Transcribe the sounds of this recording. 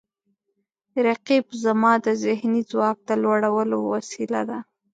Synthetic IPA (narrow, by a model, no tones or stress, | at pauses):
ɾaqibzamɑd̪əzɪhnizwɑk̚d̪əlwaɽawəlowasila̰d̪a